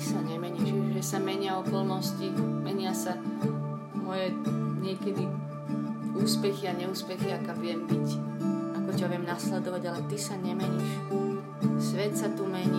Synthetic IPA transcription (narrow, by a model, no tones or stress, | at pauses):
saɲɛmɛɲiʃʒɛsamɛɲɪaɔkɔlnɔscimɛɲɪasa | mɔjɛɲɪɛkɛd̪i | uːspɛxiaɲɛuːspɛxiakaʋɪɛmbicakɔcaʋɪɛmnaslɛd̪ɔʋaɟalɛt̪isaɲɛmɛɲiːʃ | sʋɛt̪sat̪umɛɲi